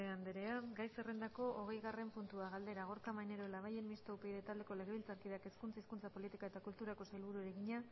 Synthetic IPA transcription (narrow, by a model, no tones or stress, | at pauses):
eand̪eɾe̞aɡajse̞re̞nd̪ako̞ʔoɣ̞e̞jɣare̞mpunt̪uaɣald̪e̞ɾaɣ̞o̞ɾkamajne̞ɾoelaβaje̞mmist̪oupeiðet̪ald̪e̞kole̞ɣ̞e̞βilt͡saɾkiðake̞skunt͡saiskunt͡sapo̞lit̪ikae̞t̪akult̪uɾako̞sajlβuɾueɾe̞ɣiɲa